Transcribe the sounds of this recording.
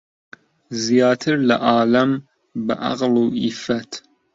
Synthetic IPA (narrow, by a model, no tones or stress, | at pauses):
zijɑːt̪ʰɨɾlɐʔaːlɐm | bɨʔa̰qluʔifɐt̪ʰ